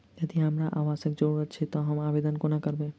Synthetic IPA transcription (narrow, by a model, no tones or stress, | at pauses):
jəd̪iɦəmɾaʔaʋaʃək̚d͡ʒoɽɾət͡ʃʰet̪ɔɦəmaːʋed̪ənkonakəɾbẽ